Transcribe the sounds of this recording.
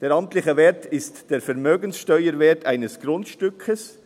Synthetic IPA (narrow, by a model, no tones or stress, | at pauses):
d̥eːɾɑmtlɪçəvɛːtɪstd̥eːɾfɛɾmøːɡənsʃtœʏəɾveːtaɪnəsɡ̥ɾʊntʃtʏkʰəs